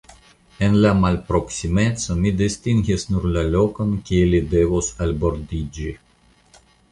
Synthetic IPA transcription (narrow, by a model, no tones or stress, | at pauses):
enlamalpɾoksimetsomid̪ist̪iŋɡisnuɾlalokonkʲielid̪evosalboɾd̪id͡ʒi